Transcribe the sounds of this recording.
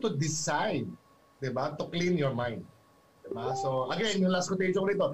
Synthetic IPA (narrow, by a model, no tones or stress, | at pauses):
t̪ʊd̪ɪsajd̪ | d̪ɪbat̪ʊklĩnjɔɹmãjnd̪̚ | d̪ɪbasoʔɐɡɛnjʊŋlaskʊt̪ejʃoŋɾiːt̪o